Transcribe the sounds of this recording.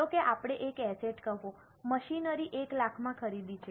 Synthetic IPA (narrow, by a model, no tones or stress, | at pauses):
okeʔapɽ̃eʔekɛseʈkəʋõ | məʃinəɾiʔeklakʰmãkʰəɾid̪it͡ʃʰe